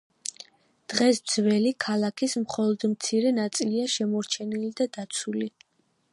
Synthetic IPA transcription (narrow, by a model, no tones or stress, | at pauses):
d̪̥ʁɛsd̪zvɛlikʰalˠakʰismχɔlˠɔd̪mt̪sʰiɾɛnat̪sʼiliaʃɛmɔɾt͡ʃʰɛnilid̪ad̪̥at̪sʰuli